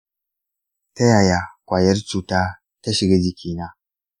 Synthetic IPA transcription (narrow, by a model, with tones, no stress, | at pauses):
ta˦ja˨ja˨kʷaː˨jɐ˦ɾt͡ʃuː˨taː˦ | ta˦ʃɪ˨ɡa˦d͡ʒi˨kʲʰiː˦na˦